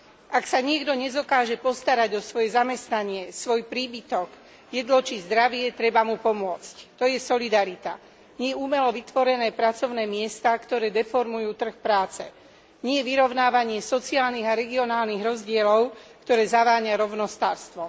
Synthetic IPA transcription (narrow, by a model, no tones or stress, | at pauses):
ʔaksaɲɪɛɡd̪ɔɲɛzɔkaːʒɛpɔst̪aɾaɟɔsʋɔjɛzamɛst̪naɲɪɛsʋɔjpɾiːbit̪ɔɡ | jɛd̪lɔt͡ʃizd̪ɾaʋɪɛt̪ɾɛbamupɔmʊɔt͡sct̪ɔjɛsɔlid̪aɾit̪a | ɲɪɛjɛumɛlɔʋit̪ʋɔɾɛnɛːpɾat͡sɔʊnɛːmɪɛst̪akt̪ɔɾɛːd̪ɛfɔɾmujuːt̪r̩xpɾaːt͡sɛ | ɲɪɛjɛʋiɾɔʊnaːʋaɲɪɛsɔt͡siaːlniɣaɾɛɡiɔnaːlniɣɾɔzɟɪɛlɔʊkt̪ɔɾɛːzaʋaːɲaɾɔʊnɔst̪aːɾst̪ʋɔ